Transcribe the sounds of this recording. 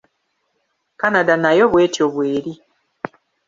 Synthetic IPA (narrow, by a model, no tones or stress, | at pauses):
kanadanajo̞βwe̞ːtjoβweːɾi